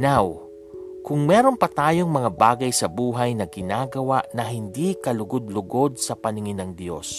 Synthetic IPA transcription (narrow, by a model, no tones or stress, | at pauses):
naw | kʊŋmɛːɾo̞npɐt̪aːjo̞ŋmɐŋabaːɡɐjsɐbuːɦɐjnɐɡɪnaːɡɐwaʔnɐɦɪnd̪ikɐlʊɡod̪̚lʊɡo̞d̪̚sɐpɐnɪŋɪnɐŋd̪jo̞̰s